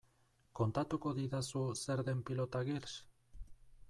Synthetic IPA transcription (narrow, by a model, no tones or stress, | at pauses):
kont̪at̪okoðiðasuseɾðempilot̪aɣeɾs